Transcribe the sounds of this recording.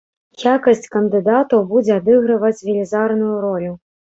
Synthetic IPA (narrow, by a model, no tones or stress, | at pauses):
jjakɐsʲt͡sʲkɐnd̪ɨd̪at̪ɐwbud͡zʲɛad̪ɨɣɾɨvɐt͡sʲvʲilʲizarnujuɾɔlʲu